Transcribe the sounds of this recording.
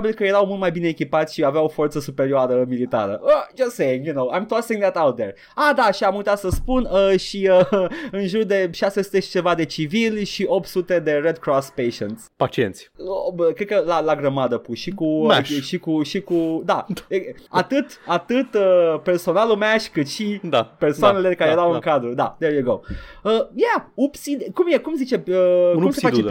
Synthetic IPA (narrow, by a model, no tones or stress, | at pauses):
bilkəje̞ɾawmult̪majbineːkʲipat̪sʲʃiaveawofo̞rt̪səsupeɾioaɾəmilit̪a̰ɾə̰ʔəd͡ʒɐsseɪ̃ŋjunoʊãjmt̪ɔsĩŋd̪ɛt̪awt̪̚d̪eɹ | ad̪aʃiamujt̪at̪səspunəʃiəɨnʒurd̪e̞ʃasesu̥t̪eʃi̥t͡ʃe̞vad̪e̞t͡ʃivilʲʃiʔo̞p̚t̪sut̪e̞d̪e̞red̪̚kɾɔspejʃənt̪sʲpat͡ʃient̪sʲəkɾekəlalaɡɾəmad̪əpuʃikumaʃʃikuʃikud̪aeat̪ɨt̪at̪ɨt̪əpe̞rso̞nalumaʃʲkɨt̪ʃid̪apersoanelekaɾejeɾawɨŋkad̪ɾud̪a̰d̪eɾjuɡowəjaupsid̪kumjekumzit͡ʃe̞əumsefat͡ʃe